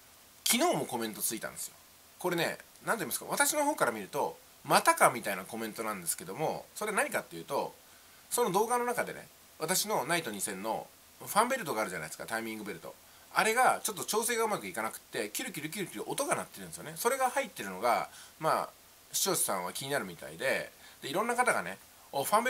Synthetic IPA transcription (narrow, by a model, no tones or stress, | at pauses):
kʲino̞ːmo̞ko̞mẽ̞nt̪o̞t͡sɨit̪ã̰nd̪esɨjo̞̰ | ko̞ɾe̞ne̞̰ | nãnt̪oimasɨ̥ka̰βat̪aɕino̞ɦo̞ːkaɾamʲiɾɯ̟t̪o̞ | mat̪akamʲit̪ainako̞mẽ̞nt̪o̞nãnd̪e̞sɨ̥ke̞d̪o̞mo̞̰so̞ɾe̞naɲ̟ikat̪ːe̞jɯ̟ːt̪o̞ | so̞nod̪o̞ːɡano̞nakad̪enḛ | βat̪aɕino̞nait̪o̞ɲ̟isẽ̞nːo̞̰ | ɸãmbe̞ɾɯ̟t̪̬o̞ɡaːɾɯ̟ʑana̰id̪sɨ̥kat̪aimʲĩŋɡɯbe̞ɾɯ̟t̪o̞̰ | aɾe̞ɡat͡ɕo̞t̪ːot͡ɕo̞ːse̞ːɡaɯ̟makɯ̟ikanakɯ̟̥t̪ːe̞kʲiɾɯ̟kʲiɾɯ̟kʲiɾɯ̟kʲiɾɯ̟ʔo̞t̪o̞ɡanat̪ːeɾɯ̟nd̪sijoneso̞ɾe̞ɡahait̪ːe̞ɾɯ̟no̞ɡa̰ma̰ː | ɕi̥t͡ɕoːɕi̥sãɰ̃βakʲiɲ̟inaɾɯ̟mʲit̪a̰ḭd̪e̞d̪̥e̞iɾõ̞nːakat̪aɡa̰ne̞ | oɸãmb